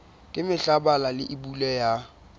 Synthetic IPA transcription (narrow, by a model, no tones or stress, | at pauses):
kʼɪmɪɬabalalɪʔibulɛja